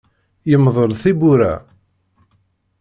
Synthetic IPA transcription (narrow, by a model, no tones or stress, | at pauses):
jəmðˤəɾθibuɾæ̰